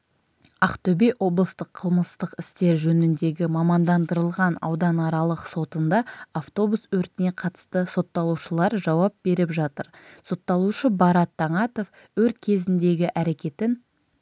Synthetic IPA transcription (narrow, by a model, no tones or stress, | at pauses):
ɑqt̪ɵbejwo̞blˠəst̪əqʰəlˠməst̪əqɪst̪e̞ɾʒɵnɪnd̪e̞ɡʲɪmɑmɑnd̪ɑnd̪əɾəlˠʁɑnɑ̰wd̪ɑnɑɾɑlˠəqso̞t̪ənd̪ɑaft̪o̞buswɵɾt̪ɪne̞qʰɑt̪ə̥st̪əso̞t̪ːɑlˠuʃəlˠɑɾʒɑwɑp̚b̥e̞ɾɪpʒɑt̪əɾso̞t̪ːɑlˠuʃəbɑɾɑt̪ʰːɑɴɑt̪o̞f | wɵɾt̪kʲʰe̞zɪnd̪e̞ɡʲɪʔæɾe̞kʲe̞t̪ɪn